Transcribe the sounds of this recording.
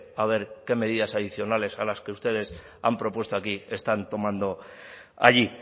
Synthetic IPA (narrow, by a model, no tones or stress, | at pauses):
aβ̞e̞ɾke̞me̞ðiðasaðiθjo̞nale̞salaskeust̪e̞ð̞e̞s | a̰mpɾo̞pwe̞st̪oakie̞st̪ant̪o̞mãnd̪o̞ | a̰ʎi